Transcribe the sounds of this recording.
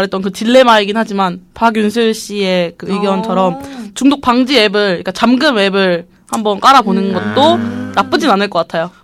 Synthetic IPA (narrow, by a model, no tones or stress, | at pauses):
ɾet͈ʌnkɯt͡ɕiɭːe̞maiɡinɦad͡ʑimanpaɡjunsʰɯɭɕ͈iekɯɯɡjʌnt͡ɕʰʌɾʌmt͡ɕuŋdok̚p͈aŋd͡ʑiwe̞bɯɭik͈at͡ɕamɡɯme̞bɯɾ | hambʌnk͈aɾabonɯnɡʌt̚t͈onap͈ɯd͡ʑinanɯɭk͈ʌk͈atʰajo